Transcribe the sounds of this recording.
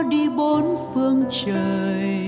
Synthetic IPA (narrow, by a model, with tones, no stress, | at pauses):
ɗi˧ɓo˨˦nfɨ˧əŋt͡ɕəː˨˩j